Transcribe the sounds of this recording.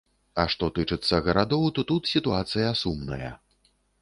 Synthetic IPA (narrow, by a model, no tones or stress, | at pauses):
ɐʂt̪ɔt̪ɨt͡ʂɨt̪sːɐɣɐɾad̪ɔwt̪ɔt̪ut̪sʲit̪uat̪sɨjɐsumnɐ̰jɐ̰